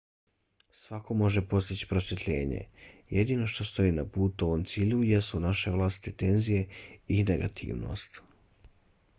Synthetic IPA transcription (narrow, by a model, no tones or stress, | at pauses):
sʋako̞mo̞ʒepo̞st̪it͡ɕi̥pɾo̞sje̞t̪ʎe̞̰ːɲe̞̰je̞d̪ino̞ʃt̪o̞st̪o̞iːnapuːt̪oʋomt̪siːʎujesunaʃe̞ʋlˠaːst̪i̥t̪et̪e̞nzije̞ineɡa̰t̪ʰḭːʋno̰st̪